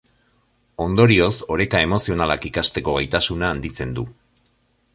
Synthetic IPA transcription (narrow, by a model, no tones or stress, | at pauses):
o̞nd̪o̞ɾio̞so̞ɾe̞k̪ae̞mo̞sio̞nalakikast̪e̞ko̞ɣ̞ajt̪asunaːnd̪it͡se̞nd̪u